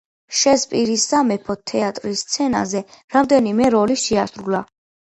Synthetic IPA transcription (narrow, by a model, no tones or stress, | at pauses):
ʃɛspʼiɾisːamɛpʰɔt̪ʰɛat̪ʼɾist̪sʰɛna̰zɛɾamd̪ɛnimɛɾɔliʃɛasɾula